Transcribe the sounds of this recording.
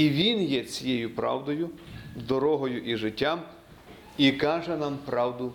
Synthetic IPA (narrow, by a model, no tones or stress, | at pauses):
iʋʲinjɛt͡sʲijɛjʊpɾɑ̰wd̪ɔjʊzd̪ɔɾɔɦɔjʊʔiʒɪtʲːam | ikɑʒɛnɑmpɾɑwd̪ʊ